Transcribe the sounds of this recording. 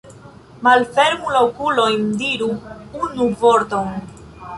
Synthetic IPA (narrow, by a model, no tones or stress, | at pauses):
malfeɾmulowkulo̞jndiɾuunuvoɾt̪on